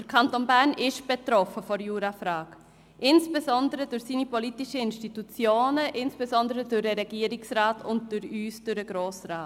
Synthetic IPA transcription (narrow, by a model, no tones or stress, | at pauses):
d̥əɾkʰɑntonbæɾnʔɪʃb̥etɾɔfəfɔɾjuːɾafɾaːk | ʔɪnsb̥ezɔndəɾədʊɾsiːnipɔlitiʃəɪnʃtitut͡sjoːnəʔɪnsb̥ezɔndəɾədʊɾəɾɛɡ̥iəɾɪksraːtʊntd̥ʊɾyːsd̥ʊɾəɡɾoːsraːt